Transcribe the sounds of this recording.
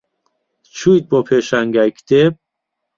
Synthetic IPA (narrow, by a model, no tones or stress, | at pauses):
t͡ʃʰuid̪̚bɔpʰeʃæŋɡækd̪̥eb̚